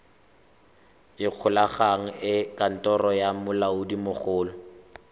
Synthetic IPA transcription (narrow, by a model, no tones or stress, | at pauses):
ɪq͡χʰʊlaχaŋ̩ɪkʼan̩tʼɔrɔjamʊlaʊdimʊχʊːlɔ